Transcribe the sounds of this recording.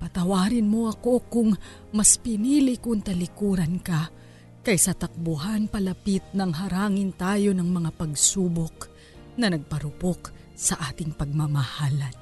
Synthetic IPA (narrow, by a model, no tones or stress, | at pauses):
pɐt̪ɐwaːɾɪnmo̞ʔɐko̞kʊŋ | mɐspɪniːlɪkʊŋt̪ɐlɪkuːɾɐnkɐ | kɐjsɐt̪ɐk̚bʊɦanpɐlɐpit̪̚nɐŋɦɐɾaːŋɪnt̪aːjo̞nɐŋmɐŋapɐɡsuːbok̚ | nɐnɐɡ̚pɐɾʊpok | sɐʔaːt̪ɪŋpɐɡ̚mamɐhaːlɐn